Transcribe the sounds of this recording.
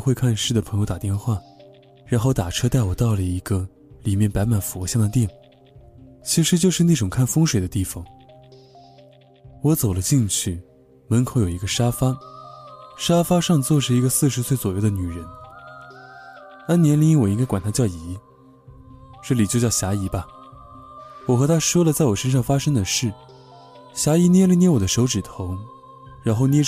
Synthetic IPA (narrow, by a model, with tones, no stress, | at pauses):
xwkʰa˥˧nʂɻ̩˥˩d̪ə˩pʰɤ˧˥ŋjʊt̪a˨˩t̪jɛ˥˧nxwa˥˩ | ɻa˧˥nxo˥˩ʊt̪a˨˩ʈ͡ʂʰɤ˥t̪a˥˩ɪwɔ˨˩t̪ɑ˥˩ʊlə˨˩i˧˥ɡə˧ | li˨˩mjɛ˥˩npa˧˥ɪma˨˩nfu˧˥˧ɕjɑ˥˩ŋd̪ə˧t̪jɛ˥˩ | t͡ɕʰi˧˥ʂɻ̩˧˥t͡ɕjo˥˧ʊʂɻ̩˥˧na˥˩ʈ͡ʂʊ˨˩ŋkʰa˥˩nfɤ˥ŋʂwe˨˩ɪd̪ə˦t̪i˥˩fɑ˨˩ŋ | wɔ˧˥t͡so˨˩ʊlə˦t͡ɕi˥˧nt͡ɕʰy˥˩ | mə˧˥nkʰo˧˥jo˨˩i˧˥ɡə˧ʂa˥fa˥ | ʂa˥fa˥ʂɑ˥˧ŋt͡swɔ˥˩ʂɻ̩˥˩i˧˥ɡə˧sɹ̩˥˧ʂɻ̩˧˥swe˥˩ɪt͡swɔ˨˩jo˥˩ʊd̪ə˦ny˨˩ɻə˧˥n | a˥njɛ˧˥nli˧˥ŋi˥ŋwɔ˨˩i˥ŋka˥kwa˨˩nt̪ʰa˥t͡ɕjɑ˥˩ʊi˧˥ | ʈ͡ʂɤ˥˩li˨˩t͡ɕjt͡ɕjɑ˥˩ʊɕja˧˥i˧˥bɐ˧ | wɔ˨˩xɤ˧˥t̪ʰa˥ʂwɔ˥lə˨t͡sa˥˩ɪwɔ˨˩ʂə˥nʂ̬ɑ˥˩ŋfa˥ʂɤ˥ŋd̪ə˨ʂɻ̩˥˩ | ɕja˧˥i˧˥njɛ˥˩li˧njɛ˥˩wɔ˨˩d̪ə˦ʂo˧˥ʊʈ͡ʂɻ̩˨˩t̪ʰʊ˧˥ŋ | ɻa˧˥nxo˥˧ʊnjɛ˥˧